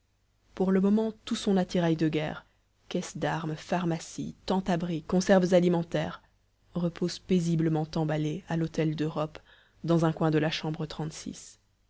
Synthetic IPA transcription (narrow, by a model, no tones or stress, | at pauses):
puʁləmɔmɑ̃t̪usɔ̃nat̪iʁajd̪əɡɛ̰ːʁ | kʲɛsd̪aʁmfaʁmasḭt̪ɑ̃t̪abʁikɔ̃sɛʁvzalimɑ̃t̪ɛːʁ | ʁəpozpezibləmɑ̃t̪ɑ̃balealot̪ɛld̪øʁɔp | d̪ɑ̃zɛ̃kwɛ̃d̪əlaʃɑ̃bʁət̪χɑ̃t̪sḭs